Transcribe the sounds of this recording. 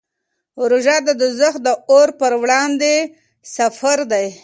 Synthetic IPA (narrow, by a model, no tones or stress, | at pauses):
ɾuʒɑd̪əd̪ʊzəx̚d̪əoɾpəɾwɽɑnd̪e | safaɾd̪aj